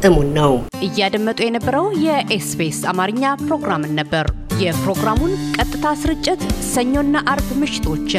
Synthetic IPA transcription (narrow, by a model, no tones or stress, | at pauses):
t̪ɨmunːəw | ʔɨjːad̪əmːət̪ʼujɛnəbːəɾəwjɛʔesbesamaɾɨɲːapɾo̞ɡɾamɨnːəbːəɾ | jɛpɾo̞ɡɾamunkʼət̪ʼːɨt̪ʰasɨɾɨt͡ʃʼːɪt̪səɲːo̞nːaʔaɾbmɨʃɪ̥t̪ʰo̞t͡ʃː